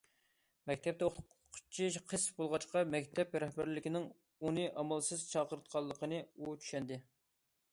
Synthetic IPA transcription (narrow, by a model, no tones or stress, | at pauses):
mɛkʲt̪ʰɛp̚t̪ɛoχt̪qʰqʰːt͡ʃʰiqʰəsbolˠʁɑt͡ʃqɑmɛkʲt̪ʰɛp̚ɾɛhbæɾlɪkʲɪnɪŋ | unɨʔɑmɑlˠsɨz̥t͡ʃʰɑqəɾɨt̪̚qʰɑlˠːəqənɨut͡ʃʰy̥ʃɛnd̪ɪ